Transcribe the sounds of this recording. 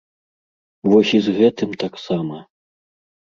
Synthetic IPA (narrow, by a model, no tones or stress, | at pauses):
vɔsʲizɣɛt̪ɨmt̪aksamɐ